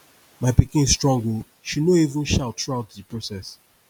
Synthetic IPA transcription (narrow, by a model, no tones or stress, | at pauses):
maɪpikɪ̃nsstɹɔ̃ŋɡo | ʃinoivə̃nʃaltʰɹaʊtdipɹosɛs